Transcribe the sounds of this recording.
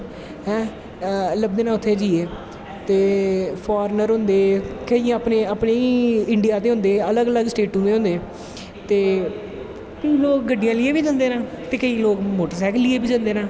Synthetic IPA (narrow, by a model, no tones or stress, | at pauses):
ɦɛ̃ː | ləb̚d̪eːnãːʊt̪ʰːeːd͡ʒiːeː | t̪eːpʰaːɾnəɾɦʊ̃nd̪eːkəĩːaːpneːaːpneːiːɪɳɖijaːt̪̬eːɦʊ̃nd̪eːələɡələɡsʈeːʈũːt̪eːɦʊ̃nd̪eː | t̪eː | kəiːloːk̚ɡəɖːɪjãːlɪeːbiːd͡ʒãːnd̪eːnãː | t̪eːkəiːloːkmoːʈəɾsɛːklɪeːbiːd͡ʒãːnd̪eːnaː